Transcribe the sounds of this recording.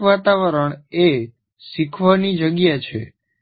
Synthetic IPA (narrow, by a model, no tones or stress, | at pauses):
ʋat̪aʋəɾəɳe | ʃikʰʋanid͡ʒəɡjat͡ʃʰḛ